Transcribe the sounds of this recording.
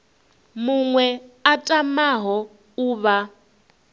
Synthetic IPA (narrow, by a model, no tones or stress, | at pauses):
muŋwɛatʼamaɦɔ | uːβa